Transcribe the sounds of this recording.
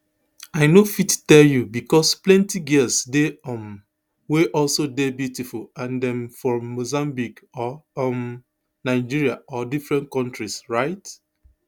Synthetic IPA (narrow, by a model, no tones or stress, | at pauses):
aɪnofittɛljubikɔsplɛ̃ntiɡilsdeɔ̃m | weʔɔlsodebjutifulãndɛ̃mfɔːozãmbikɔɔm | naɪd͡ʒiɹiaɔdifɹɛ̃nt̚kɔ̃ntɹisɹaɪt